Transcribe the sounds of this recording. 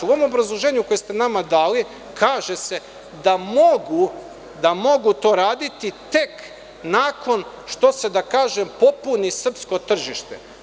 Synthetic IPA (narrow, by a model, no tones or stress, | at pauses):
uoo̞mo̞bɾazlˠoʒeːɲuko̞jest̪e̞namad̪aːli | kʰaːʒese̞ | d̪amoɡu | d̪amo̞ɡut̪o̞ːɾaːd̪it̪it̪e̞k | naːko̞n | ʃt̪o̞se̞d̪akaːʒempo̞punisr̩psko̞t̪r̩ʒiʃt̪ḛ